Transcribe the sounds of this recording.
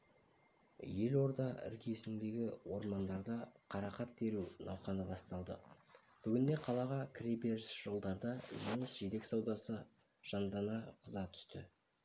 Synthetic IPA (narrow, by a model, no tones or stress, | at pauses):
je̞lo̞ɾd̪ɑʔɪ̰ɾkʲʰe̞sɪnd̪e̞ɡʲɪwo̞ɾmɑnd̪ɑɾd̪ɑqʰɑɾɑqɑt̪̚b̪e̞ɾunɑ̰wqɑnəbɑst̪ɑlˠd̪ə̰ | b̥ʏɡʲɪnd̪e̞qʰɑlˠɑʁɑkʲʰrejbeɾsʒ̥olˠd̪ɑɾd̪ɑʒuɴəsʒ̥e̞t̪e̞ksɑwd̪ɑsə | ʒ̥ɑnd̪ɑnɑqʰəzɑt̪ʰʏ̥st̪ɪ